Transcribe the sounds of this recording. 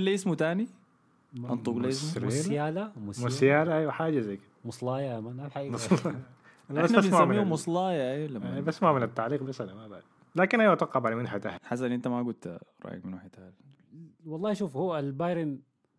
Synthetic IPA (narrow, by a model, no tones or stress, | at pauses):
lːiʔɪsmut̪aːni | ʔɑnt̪ˤuɡlsleljaːlammʊsjaːlaʔajwaħaːd͡ʒazajːkɪd̪amʊsˤlɑːjamanʔabħaʔiːsl | ʔaabasasnmaʕmmiːumʊsˤlɑːjaʔeːlamabasmaʕmɪnat̪ːaʕliːqbasːalamabaʕd̪ | laːkɪnʔajwat̪wɑqːɑfʕalamɪnħat̪a̰hħas̬ːnɪnt̪amaɡʊt̪ɾˤɑ̰ːjḭkmɪnwaħt̪al | wɑlˤːɑːʃuːfhualbajɾin